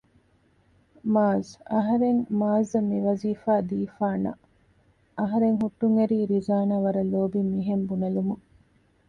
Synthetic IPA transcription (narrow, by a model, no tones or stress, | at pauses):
maːzɐɦɐɾeŋmaːzɐmiʋɐziːfaːd̪iːfaːnɐ̰ | ɐɦɐɾeŋɦuʈːuŋɐɾiːɾizaːnaːʋɐɾɐloːbimːiɦembunɐlumu